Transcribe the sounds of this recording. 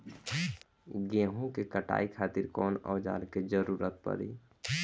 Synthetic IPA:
ɡeɦõkekəʈa̰ːikʰaːt̪ɪɾkɔːnɔ̰ːd͡ʒa̰ːɾked͡ʒəɾuːɾət̪̚pə̰ɾḭ

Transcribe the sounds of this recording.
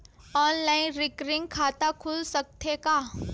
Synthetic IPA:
ɔːnlaːɪnɾɪkɾɪ̃ŋɡ̚kʰaːt̪akʰʊlsək̚t̪ʰeka

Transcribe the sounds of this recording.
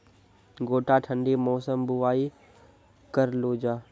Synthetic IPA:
ɡoːʈaʈʰə̃ɳɖimɔːsəmbuʋaːi | kəɾloːd͡ʑaː

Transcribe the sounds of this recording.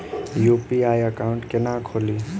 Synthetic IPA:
juːpiaːjəkaːʊ̃ɳʈkenaːkʰoːliː

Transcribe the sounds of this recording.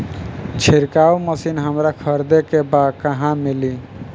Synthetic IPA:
t͡ʃʰiɾkauməsinɦəmɾakʰəɾd̪ekebakəɦãmili

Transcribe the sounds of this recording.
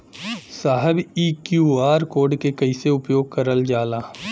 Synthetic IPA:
saːɦəbiːkjuːaːɾkoːɾɖkekɐiseʊpjoːɡ̚kɐɾəld͡ʒaːlaː

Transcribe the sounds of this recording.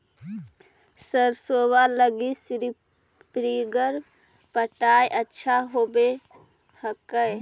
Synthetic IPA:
səɾsowaləɡisɾi | pɾiɡəɾ | pəʈajʔətːʃʰaɦobe | həkəj

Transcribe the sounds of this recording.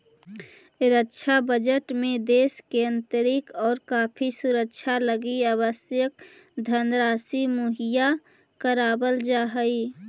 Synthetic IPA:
ɾəkʃʰabəd͡ʒəʈmẽd̪eːskeə̃nt̪əɾɪkɔːɾkaːpʰisuɾəkʃʰaləɡiaːβəsjək̚ | d̪ʱənɾaːsimoɦija | kəɾaːbəld͡ʒaːɦəi

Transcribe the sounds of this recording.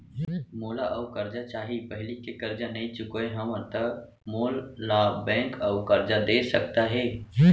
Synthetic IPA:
moːlaʔɔʊkəɾd͡ʒat͡ʃaːɦipəɦɪlikekəɾd͡ʒanɐĩt͡ʃʊkoeɦɐməɾt̪ək | moːlːabɛ̃ːŋkəːʊkəɾd͡ʒad̪eːsək̚t̪aɦɛː

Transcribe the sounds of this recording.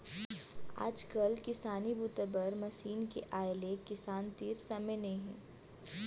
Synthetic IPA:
a̰ːd͡ʒkɐlkɪsaːnibuːt̪əbəɾmɐsiːnkeʔaːɪlekɪsaːnt̪iːɾsɐməjnɐĩɦɛ̃ː

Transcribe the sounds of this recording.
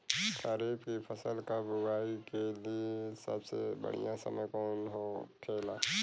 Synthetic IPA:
kaɾiːbkipʰəsəlkabʊɡʱaːikeliesə̰bsḛbə̰ɽ̤ḭjãsə̰məjkɔːnɦokʰeːlaː

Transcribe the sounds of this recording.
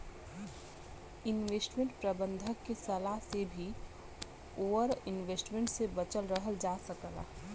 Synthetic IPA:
ɪnʋeːsʈmẽɳʈpɾəbə̃nd̪ʱəkːesɐlaɦsebʱi | oːʋəɾɪnʋeːsʈmẽɳʈsebət͡ʃəlɾəɦəld͡ʒaːsəkəla̰

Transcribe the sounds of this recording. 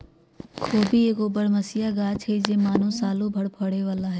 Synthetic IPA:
oːbʱieːkoːbəɽmɐsijaɡaːt͡ʃɦed͡ʒeːmaːnõsaːlõbʱəɽpʰəɽeʋaːlaɦɛː

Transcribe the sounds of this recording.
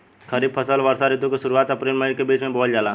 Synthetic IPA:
kʰəɾiːb̚pʰəsəlʋəɾsaɾɪt̪õkeʃʊɾuaːt̪əpɾiːlmẽkebiːt͡ʃmẽboːld͡ʒaːlaː

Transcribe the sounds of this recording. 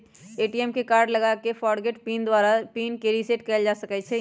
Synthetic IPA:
eːʈiɛmkekaːɾɖlɐɡakefʰɔːɽɡeʈpiːnd̪waːɾapiːnkeɾiseʈkɛɪld͡ʒaːsəkɛt͡ʃʰɛ

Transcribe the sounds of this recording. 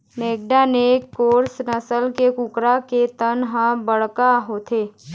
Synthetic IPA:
neːk̚ɖanekːoːɾsnəsəlkekʊkɾaket̪ənɦə̃bəɽkaɦoːt̪ʰeː

